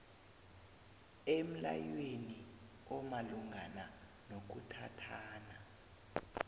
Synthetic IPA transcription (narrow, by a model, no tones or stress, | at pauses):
em̩la̰jweni | ɔmaluŋɡʱana | nok̬utʰatʰaːna